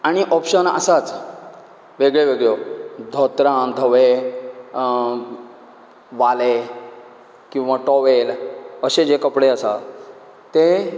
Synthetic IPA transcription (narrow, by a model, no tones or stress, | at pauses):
aɽ̃iʔɔpɕənə̰sat͡s | ʋeɡɭeʋeɡɭjɔd̪ʱɔt̪ɾãnd̪ʱəʋe | ʋale | kĩw̃ʋaʈɔʋeləɕed͡ʑekəpɽeəsa | t̪e